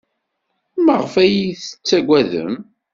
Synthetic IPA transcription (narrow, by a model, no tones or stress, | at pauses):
məʁəfæjiθə̥t͡sːæɡʷæðə̰m